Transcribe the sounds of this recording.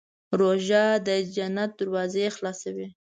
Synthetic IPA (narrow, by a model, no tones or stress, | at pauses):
ɾoʒad̪əd͡ʒanat̪̚d̪əɾwɑzexlɑsawi